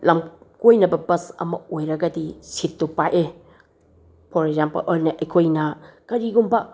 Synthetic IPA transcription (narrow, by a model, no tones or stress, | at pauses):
lamkojnɐbɐbɐsɐ̰mɐ̰ojɾɐɡɐdisitːupajʔe | pʰɔɾeɡzampɐ̰lʔolnɐʔɐjkʰojnɐkɐɾiɡumba